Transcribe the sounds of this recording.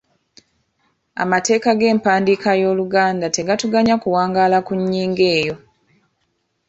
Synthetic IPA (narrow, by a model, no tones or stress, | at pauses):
a̰mate̞ːkaɡe̞ːmpaːndikajo̞ːluɡaːndate̞ɡatuɡaɲakuwaːŋɡaːlakuɲːiːŋɡe̞ːjo̞